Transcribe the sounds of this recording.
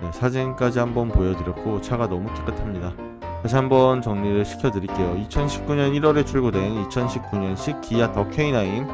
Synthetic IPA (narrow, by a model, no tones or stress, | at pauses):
ne̞sʰad͡ʑink͈ad͡ʑihambʌnpojʌdɯɾjʌk̚k͈ot͡ɕʰaɡanʌmuk͈ek͈ɯtʰamɲida | kaɕ̬ʰiɦambʌnt͡ɕʌŋɲiɾɯɭɕʰi̥kʰjʌdɯɾik͈e̞joit͡ɕʰʌnɕʰi̥p̚k͈uɲʌniɾwʌɾe̞t͡ɕʰuɭɡodwe̞nit͡ɕʰʌnɕʰip̚k͈uɲʌnɕʰik͈ijatʌkʰeinain